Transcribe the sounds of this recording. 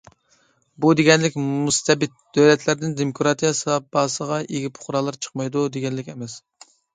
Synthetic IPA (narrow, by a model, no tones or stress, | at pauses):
bud̪eɡʲɛnlɪkʲmust̪ʰɛbɪt̪̚d̪̥øwlɛt̪ʰlæɾd̪ɪnd̪emokʰɾɑt̪ʰijɑsɨɑp̚bɑːsəʁɑʔeɡʲipʰʊ̥χʊɾɑlˠɨɾt͡ʃʰə̥q̚mɑjd̪ud̪eɡʲɛnlɪkʲɛmɛs